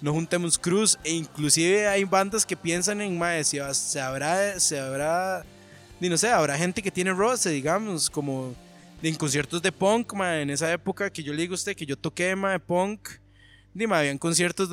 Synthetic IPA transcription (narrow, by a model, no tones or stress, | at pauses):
noxunt̪emoskɾuseiŋklusiβeajband̪aske̞pje̞ns̬aŋeŋmaesiβasseaβɾaeseaβɾa | d̪ino̞s̬eaβɾaxe̞nt̪e̞k̬e̞t̪jene̞roseðiɣamoskomo | eŋkons̬je̞ɾt̪ozd̪e̞poŋkmaeːne̞s̬ae̞pokake̞ʝo̞leðiɣust̪ekeʝo̞t̪o̞kemaepoŋk | d̪imaeaβjiaŋko̞ns̬jeɾt̪oz